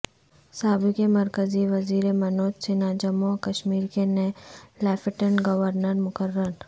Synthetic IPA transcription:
saːbɪkemɐɾkəziʋɐziːɾemɐnoːt̪sɪnad͡ʒɐmokɐʃmiːɾkenelɛːfɪʈəɳɡɐʋəɾnəɾmʊkəɾːəɾ

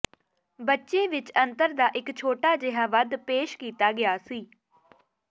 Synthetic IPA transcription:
bətːʃeːʋɪt͡ʃənt̪əɾd̪aːʔɪkt͡ʃʰoːʈaːd͡ʒɪɦaːʋəd̪peːʃkiːt̪aːɡɪaːsiː

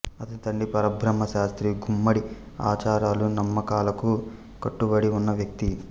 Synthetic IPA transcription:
ɐt̪ɐt̪ɐɳɖipɐɾɐbʱɾɐmːɐʃaːst̪ɾiɡumːɐɽi | a̰ːt͡ʃaːɾaːlunɐmːɐkaːlɐku | kɐʈːubɐɽiunːɐʋjɐk̚t̪i

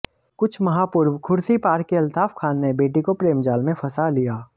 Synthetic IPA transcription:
kʊt͡ʃʰmɐɦaːpʊɾwkʰʊɾsipaːɾkːeɐlt̪ʰaːfkʰaːnːebeːʈikopɾeːmd͡ʒaːlmẽfʰɐsalijaː

